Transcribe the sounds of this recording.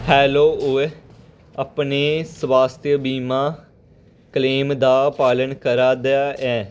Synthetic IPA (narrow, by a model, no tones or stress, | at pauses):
hɛːloːʊe | əpneːsʋaːst̪ʰjəbiːmãː | kəleːmd̪aːpaːlənkəɾaːd̪jaːʔɛː